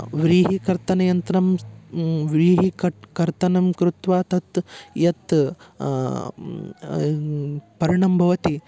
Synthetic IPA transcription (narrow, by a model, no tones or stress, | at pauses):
ʋɾiːɦikɐɾt̪ɐnɐjɐnt̪ɾɐm | ʋɾiːɦikɐkɐɾt̪ɐnɐmkɾut̪ʋaːt̪ɐt̪jɐt̪ | pɐɾiɳɐmbʱɐʋɐt̪i